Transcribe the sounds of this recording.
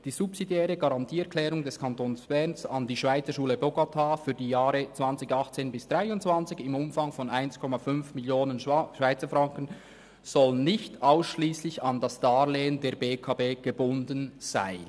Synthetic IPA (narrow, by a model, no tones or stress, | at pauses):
d̥iːzupsidjɛːɾəɡɑʁɑntʰiːɛɐkʰlɛːɾʊŋdɛskʰɑntoːnsb̥ɛʁnsɑndiːʃv̥aɪt͡səʃuːləboɡatʰaːfyːɐdiːjaːɾət͡sv̥ɑnt͡sɪçɑχt͡seːnbɪsd̥ʁaɪʊntt͡sv̥ɑnt͡sɪçɪmʊmfɑŋfɔnaɪnskʰɔmafʏnfmɪljoːnənʃvaɪt͡səfʁɑŋkən | z̥ɔlənnɪçtʰʔaʊsʃliːslɪçɑndɑsd̥aːleːəndeːɐbeːkʰaːbeːɡ̥əbʊndənz̥a̰ɪ